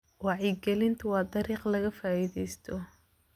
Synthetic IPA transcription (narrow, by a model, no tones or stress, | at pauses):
wɑʕiɡɛlɪnt̪ʰʊwɑːd̪ɐɾiːqlɐɣɐfaːiðɛjst̪ʰɔ